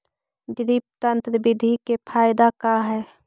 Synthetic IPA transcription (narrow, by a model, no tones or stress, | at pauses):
d̪ɾiːpt̪ənt̪ɾəbɪd̪ʱikepʰaːjd̪akaɦɛː